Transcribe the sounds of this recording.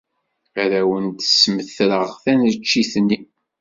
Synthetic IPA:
æɾæwənt̪sməθɾəʁθænət͡ʃːiθnːi

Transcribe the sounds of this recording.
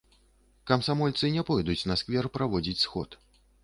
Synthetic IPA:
kɐmsamɔlʲt̪sɨnʲɛpɔjd̪ut͡sʲnɐskvʲɛrpɾavɔd͡zʲit͡sʲsxɔ̰t̪

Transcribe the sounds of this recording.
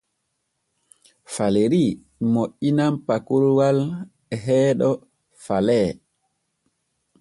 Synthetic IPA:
faleɾi | moʔːinampakuɾwal | ɛɦɛːɗɔ | falɛː

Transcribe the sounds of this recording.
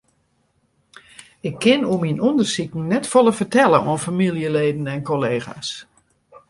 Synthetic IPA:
ɪkʰːɪnominɔndərsikn̩nɛtfoləfərtɛlˠəʔɔnfamilˠjəleːdn̩ɛnkʰoleːɣa̰s

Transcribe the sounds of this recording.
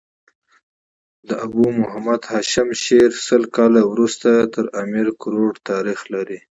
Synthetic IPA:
d̪əʔabumʊɦamad̪haʃɪmʃeɾsəlkɑlawɾust̪at̪əɾamiɾkʊɾoɖt̪ɑɾixlaɾi

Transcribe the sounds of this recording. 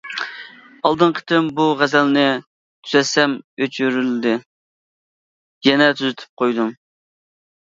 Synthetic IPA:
ɑlˠd̪ɨɴqʰə̥t̪ʰɪmbuʁæzɛlnɪ | t̪ʰyzɛsɛmøt͡ʃʰyɾylɪd̪ɪ | jɛnɛt̪ʰyzyt̪ʰy̥p̚qʰojd̪um

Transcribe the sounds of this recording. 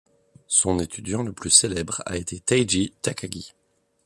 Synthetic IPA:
sɔ̃net̪ʰyd̪jɑ̃ləplyselɛbʁa̰et̪ʰet̪ajd͡ʒit̪akaɡʲi

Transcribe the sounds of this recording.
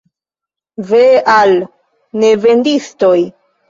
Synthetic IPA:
veal | neve̞ndistoj

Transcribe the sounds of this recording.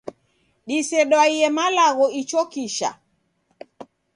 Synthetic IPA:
ɗisɛɗwaiɛmalaɣɔit͡ʃɔkiʃa̰

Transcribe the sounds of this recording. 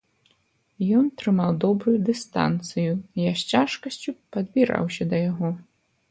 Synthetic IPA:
jɔnt̪ɾɨmawd̪ɔbɾujud̪ɨst̪a̰nt̪sɨjujaɕʲt͡sʲaʂkɐsʲt͡sʲupɐd̪bʲiɾa̰wsʲɐd̪ɐjaɣɔ

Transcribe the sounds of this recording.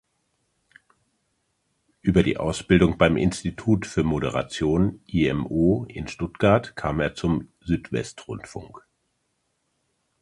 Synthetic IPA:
ʔyːbɐdḭːʔa̰ʊsb̥ɪldʊŋbaɪmʔɪ̰nstitʰuːtfyːɐmoɾəʁ̞a̰t͡sjoːnʔiɛmoːʔɪnʃtʊtɡ̥aɐtkʰaːmeːɐt͡sʊmzyːtv̥ɛ̰stʁʊntfʊ̰ŋk

